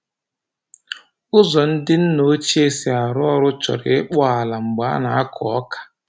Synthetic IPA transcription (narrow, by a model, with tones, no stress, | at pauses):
ʊ˦zɔ˨n̩˦dɪ˦n̩˦no˦t͡ʃi˦e˦se˨a˨ɾʊ˦ɔ˦ɾʊ˦t͡ʃɔ̰˨ɾɪ̰˨ɪ˦k͡pʊ˦a˨la˨ŋ͡m̩˨ɡ͡ba˦na˨a˦kʰʊ˨ɔ˦kḁ˨